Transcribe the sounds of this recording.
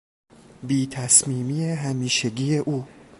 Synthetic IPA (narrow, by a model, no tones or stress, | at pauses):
biːt̪ʰæsmiːmiːjeɦæmiːʃeɟiːeʔuː